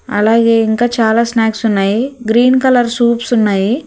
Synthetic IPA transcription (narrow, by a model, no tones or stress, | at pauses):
ɐ̰laːɡe̞ːiŋkaːt͡ʃaːlaːsnaːksunːaːjiɡɾiːnkɐlɐɾsuːpsunːaːji